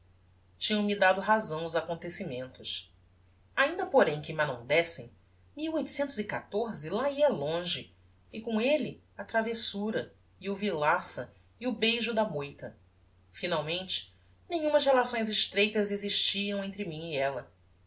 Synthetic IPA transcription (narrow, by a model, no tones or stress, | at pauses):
t͡ʃĩɲɐ̃w̃mid̪ad̪ʊɦazɐ̃w̃ʊzakõnt̪esimẽnt̪ʊʃ | aĩnd̪ɐpoɾẽj̃kɪmanõw̃d̪ɛsḛ̃j̃ | miwojt̪u̥sẽnt̪ʊzɪkat̪oɾzɪlaiɐlõʒɪ | ɪkõelɪ | ɐt̪ɾavesuɾɐ | iʊvilasɐ | ɪʊbejʒʊd̪ɐmojt̪ɐ | finawmẽnt͡ʃɪ̥ | nẽjɲ̃ũmɐshelasõj̃zɪʃt̪ɾejt̪ɐzeziʃt͡ʃiɐ̃w̃ẽnt̪ɾɪmĩɲɪɛlɐ